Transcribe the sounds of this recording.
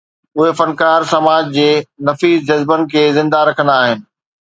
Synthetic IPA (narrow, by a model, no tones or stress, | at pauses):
ʊɦefɐnkaːɾsɐmaːd͡ʑd͡ʑeːnɐfiːzd͡ʑɐzbənɪ̆kʰeːzɪ̃nd̪aɾɐkʰənd̪aːɦɪnɪ̆